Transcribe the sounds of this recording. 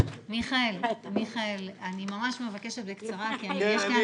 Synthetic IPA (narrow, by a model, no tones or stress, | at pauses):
miχaelmiχaelanimamaʃme̞vake̞ʃet̪bekt͡saʁakiaijeʃka